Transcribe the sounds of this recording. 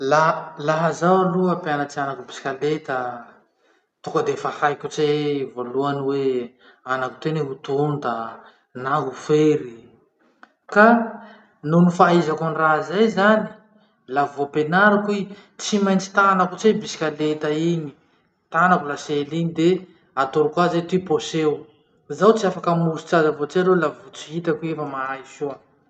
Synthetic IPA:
lalaɦazawaruapeanat͡sianakubisi̥kʲalet̪ə | t̪ukəd̪efahajkʲut͡sevoluaniwe | anaku̥t̪eneɦut̪und̪ə | naɦufeɾi | ka | nunifaizakunrazajzani̥ | lavopenaɾakui | t͡simajnt͡si̥t̪anakut͡sebisi̥kʲalet̪aiɲi̥ | t̪anakulaselinid̪e | at̪oɾukuazet̪iposew | zawt͡siafakəmusu̥t͡sazavot͡siaɾewlavut͡si̥ɦit̪akuefəmaaisua

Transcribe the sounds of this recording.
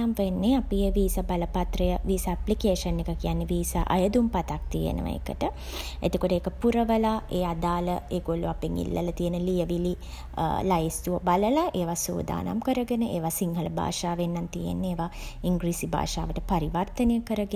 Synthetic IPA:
amʋenːeapijʋiːsabaləpat̪rəjəʋiːsaaplikeːʂənːekəkijanːeʋiːsa̰ʔa̰jəd̪umpat̪ak̚t̪ijḛnə̰ʋə̰ḛkə̰ʈə | ḛt̪okoʈəeːkəpuɾəʋəlaʔeːad̪aːləeːŋɡolːuapeŋḭlːə̰lət̪ijənəlijəʋili | lajist̪uʋəbaləlaʔeːʋaso̰ːd̪a̰ːna̰mkəɾəɡənəʔeːʋasiŋɦələbʱa̰ːʂaːʋenːant̪ijḛnːeːʋaiŋɡɾisibʱa̰ːʂa̰ːʋəʈəpaɾiʋart̪ənejəkəɾəɡe

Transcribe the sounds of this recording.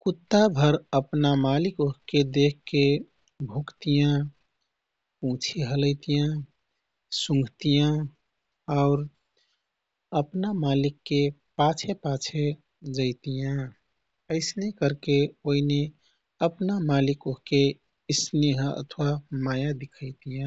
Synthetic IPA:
kut̪ːabʱəɾəpnamalikoɦked̪ekʰkːe | bʱukt̪ijã | ũt͡ʃʰeɦələɪt̪ijã | sũŋɡʱt̪ijã | aʊɾ | əpnamalikːepat͡ʃʰepat͡ʃʰe | d͡ʒəɪt̪ijã | əɪsnekəɾkeoɦine | əpnamalikoɦke | sneɦə̰t̪ʰwamajad̪ikʰəɪt̪ijã

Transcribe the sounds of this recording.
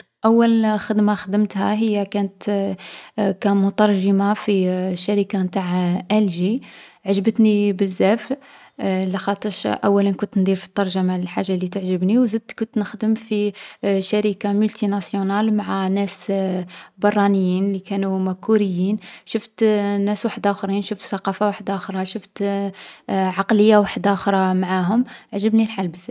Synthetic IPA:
ʔæwːælxəd̪maxəd̪əmt̪hæ̰ɦəjːakænət̪ | kæmʊt̪ɑɾˤʒəmafiʃaɾikamt̪aʕʔælʒiʕaʒəbət̪nibəzːæf | læxɑt̪ˤːəʃʔæ̰wːælənkʊnt̪nd̪iɾfi̥t̪ˤːɑɾˤʒamaəlħaʒːalːit̪əʕʒəbniwzəd̪̚t̪kʊnt̪nəxd̪əmfiʃæɾikamʊlt̪inɑsjunɑlmaʕanæs | bɑrˤːɑnəjːinlikænumækːuɾəjːinʃʊft̪næswaħəd̪ʔæxɾinʃʊft̪θɑqɑfawaħəd̪ʔæxɾˤɑʃʊft̪ | ʕɑqləjːawaħd̪æxɾˤɑmaʕaɦʊmʕʒəbnilħalbəzːæ

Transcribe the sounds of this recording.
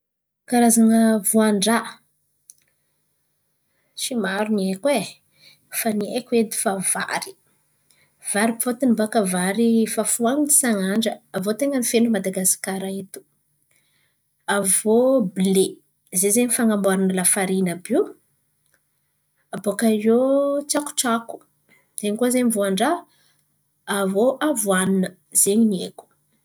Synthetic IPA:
kaɾazaŋəvuaɳɖ͡ʐa | ʃimaɾuniekwe | faniekued̪i̥fava̰ɾi̥ | v̥aɾipfot̪inibakəvaɾifafuaŋnisaŋaɳɖ͡ʐəːvot̪eŋənifenumad̪aɡasi̥kaɾaet̪u̥ | avobile | zezeɲifaŋambaɾanəlafaɾinəbiw | abokajot͡saku̥ʈ͡ʂaku̥ | z̥eɲikuazeɲivoaɳɖ͡ʐa | voʔavuaninə | z̥eɲinieku̥

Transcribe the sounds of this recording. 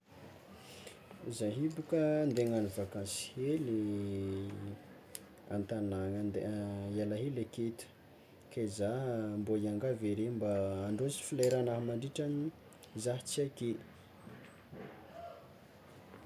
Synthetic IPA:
zaɦibukənd̪eŋanivakãnsi̥heli | a̰nt̪anaŋand̪ealaɦeleket̪u̥ | kezamboiaŋɡaveɾembaːɳɖ͡ʐosi̥filajɾanaɦamaɳɖ͡ʐiʈ͡ʂani | zaɦit͡siake

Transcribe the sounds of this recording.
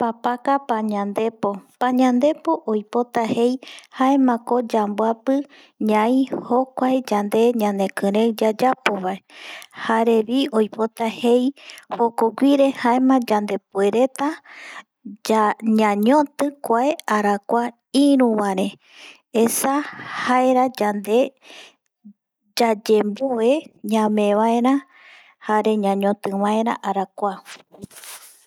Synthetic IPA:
papakapaɲãnd̪e̞po̞paɲãnd̪e̞po̞ʔojpo̞t̪ahe̞jhaemãko̞d͡ʒambwapɨ | ɲãĩhokʷaed͡ʒand̪e̞ɲãnd̪e̞kɨ̃ɾewd͡ʒad͡ʒapoβaehaɾe̞βio̞jpo̞t̪ahe̞jhokoɡʷiɾe̞haemãd͡ʒand̪e̞pue̞ɾe̞t̪a | d͡ʒaɲãɲõt̪ɨkʷaeaɾakʷa | ĩɾũβaɾẽ | esahaeɾad͡ʒand̪e̞ | d͡ʒad͡ʒembueɲãmẽ̞βaeɾã | haɾe̞ɲãɲõt̪ɨβãeɾã̰ʔaɾakʷa

